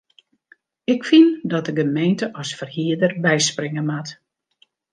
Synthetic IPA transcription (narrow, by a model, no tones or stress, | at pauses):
ɪkfindɔt̚əɡəmejntəʔɔsfərhiədərbɛjsprɪŋəmat